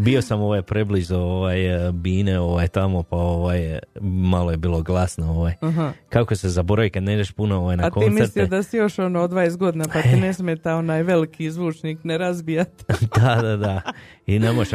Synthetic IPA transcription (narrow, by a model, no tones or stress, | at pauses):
bio̞samo̞ʋajpɾeblizooʋaːjbiːneo̞ʋajt̪amo̞pao̞ʋajmalojebiːlˠo̞ɡlˠasnooʋajɦkakosezabo̞ɾaʋikad̪ne̞id͡ʒeʃpunooʋaːjnaatkoiːmiest̪liod̪asijoʃonood̪ʋajesɡo̞d̪inapat̪inesmʲet̪aonajʋe̞likʰizʋuːt͡ʃniːkneɾazbijat̪d̪ad̪ad̪a | inemojʃ